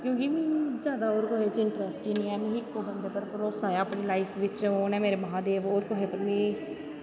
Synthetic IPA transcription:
kjõːkɪmĩːd͡ʒjaːd̪aːoːɾkoɦeːt͡ʃɪɳʈɾəsʈiːnĩːɛːmẽːɦɪkːoːbənd̪eːpəɾpəɾoːsaːjaːəːpɳeːlaːɪpʰʋɪt͡ʃoːnɛ̃ːmeːɾeːməɦãːd̪eːʋoːɾkoɦeːpəɾmĩː

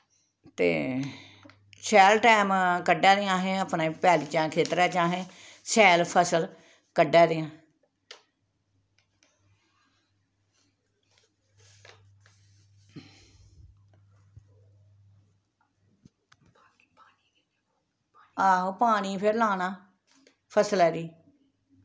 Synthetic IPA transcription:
t̪ḛː | sɛːlʈɛːmkəɖaːd̪ɪjãːɦẽːəpnãːipɛːliːt͡ʃãːkʰeːt̪ɾɛːt͡ʃãːɦẽː | sɛːlpʰəsəl | kəɖːaːd̪ɪãː | aːɦoːpaːniːpʰɪɾlaːnãː | pʰəsəlɛːɾiː

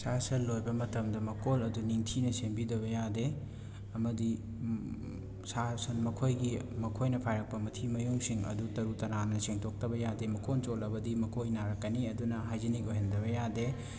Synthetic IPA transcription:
sasɐlːojbɐmɐtɐmdɐmɐkʰolɐduniŋtʰinɐsembidɐβɐjade | ɐmɐdi | sasɐnmɐkʰojɡimɐkʰojnɐpʰajɾɐk̚pɐmɐtʰimɐjuŋsiŋɐ̰dutɐɾutɐnanɐseŋtʰok̚tɐbɐjademɐkʰont͡ʃolɐbɐdimɐkʰojnaɾɐkːɐniɐdunɐɦajziniɡoɦendɐβɐjade

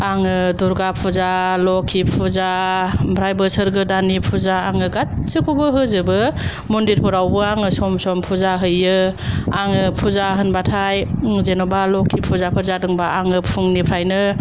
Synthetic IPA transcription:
aŋɯduɾɡapʰuzalɔkʰːipʰuzabʰɾajbɯsɯɾɡɯdanipʰuzaaŋɯɡat̚sɯkʰubɯɦɯzɯbɯ | mundiɾpʰɯɾawbɯaŋɯsɔmsɔmpʰuzaɦɯjɯaŋɯpʰuzaɦɯnbatʰajzenɔbalɔkʰipʰuzapʰɯɾzadɯŋbaaŋɯpʰɯŋnipʰɾajnɯ

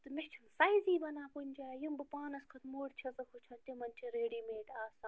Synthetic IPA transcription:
t̪ɨmeht͡ʃʰɐmsajziːbɐnaːpunʲd͡ʒaːjumbɨpaːnɐskʰɐt̪moːɽt͡ʃʰɐzɐkʰut͡ʃʰɐnt̪imɐnʲt͡ʃʰiɾeːɽimeːʈaːsaː

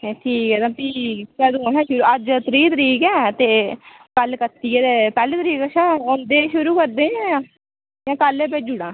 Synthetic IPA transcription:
ʈʰiːkɛːt̪ãːpiːt͡ʃɛːd̪õːɦɛ̃ːʃʊɾuːəd͡ʒt̪ɾiːt̪əɾiːkɛ̃ːt̪eː | kəlkət̪ːiːeːt̪epɛːleːt̪əɾiːkəʃãːond̪eːʃʊɾuːkəɾd̪eːãː | jãːkəleːpeːd͡ʒʊɽãː

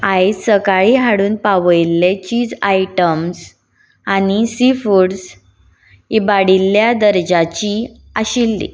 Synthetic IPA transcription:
ajsəkaɭiːɦaɽuːnpaʋəjilːet͡ɕiːd͡zajʈəms | anisifuɽs | ibaɽilːjad̪əɾd͡ʑat͡ɕi | aɕilːḭ

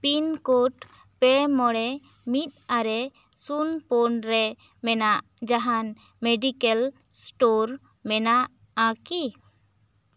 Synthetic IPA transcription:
pinkoʈ | pɛmɔɽɛ | mit̪̚aɾɛ | sunpɔnɾɛ | mɛnaʔ | d͡ʒaɦan | mɛɖikɛl | sʈoɾ | mɛnaʔ | aki

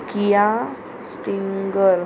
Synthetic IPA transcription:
kija | sʈiŋɡəɾ

